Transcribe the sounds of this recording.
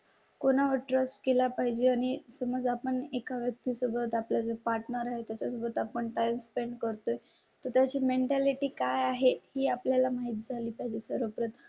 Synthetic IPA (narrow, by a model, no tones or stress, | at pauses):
konaʋəɾʈɾəsʈ̚kelapaɦid͡ʑeañisəməd͡zapəɳekaʋjək̚t̪iːsubət̪apljad͡zəpaɾʈnəɾaɦet̪jat͡ɕasubət̪apəɳʈajmspeɳɖkəɾt̪oj | t̪əɾt̪jat͡ɕiːmeɳʈaliʈiːkajaɦehiːapljalamaɦit̪̚d͡zʱaliːpaɦid͡ʑisəɾʋəpɾət̪